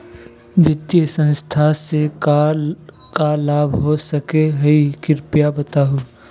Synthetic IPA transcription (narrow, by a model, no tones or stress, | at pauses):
bɪt̪jəsə̃nst̪ʰaseka | kalaːbʱɦosəkeɦəikɪɾpijabət̪aɦu